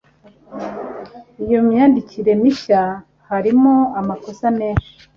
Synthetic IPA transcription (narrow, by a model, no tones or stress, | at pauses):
ijo̞mɲaːndiciɾe̞miʃa | haɾimoamako̞same̞ːnʃi̥